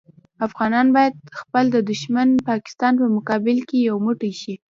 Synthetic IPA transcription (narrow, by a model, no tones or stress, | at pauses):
afɣɑnɑnbɑjad̪xpəld̪əd̪ʊʃmanpɑkɪ̥st̪ɑnpəmʊkɑbɪlkejawmʊʈajʃi